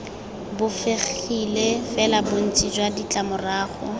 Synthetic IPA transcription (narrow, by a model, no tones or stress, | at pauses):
bʊfeχilefɛlabʊn̩t͡sʼid͡ʒwadit͡ɬʼamʊraːχɔ̰